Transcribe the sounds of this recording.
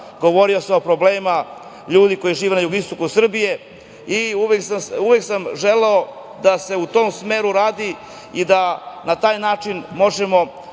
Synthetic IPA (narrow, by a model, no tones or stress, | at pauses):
ɡo̞ʋo̞ɾio̞sao̞pɾo̞bleːma | ʎuːd̪iko̞jiʒiːʋe̞najuɡist̪o̞kusr̩bije̞ | iuʋeksauʋe̞ksamʒeleo̞ | d̪ase̞ut̪o̞ːmsme̞ːɾuɾaːd̪i | id̪anat̪aːjnaːt͡ʂinmo̞ʒemo̞